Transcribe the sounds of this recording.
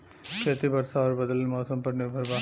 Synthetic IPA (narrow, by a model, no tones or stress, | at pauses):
kɐt̪ːibɐɾsaːɐɾbɐðɐlɪlmoːsɐmpɐʈnɪɾbʱɐɾbaː